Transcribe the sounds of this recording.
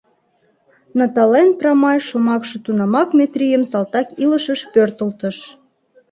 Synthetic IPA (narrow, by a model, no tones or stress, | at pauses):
nɑt̪ɑlenprɑmɑjʃomɑkʃĕt̪unɑmɑkmʲet̪ɾʲijəmsɑlt̪ɑkiləʃəʃpørt̪əlt̪əʃ